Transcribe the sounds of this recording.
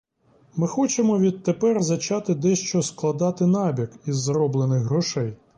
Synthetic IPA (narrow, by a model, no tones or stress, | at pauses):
mɪxɔt͡ʃemɔʋʲid̪̚t̪epɛrzɐt͡ʃɑt̪ɪd̪ɛʃt͡ʃɔsklˠɐd̪ɑt̪ɪnɑbʲɐkizːɾɔblˠenɪxɦɾɔʃɛj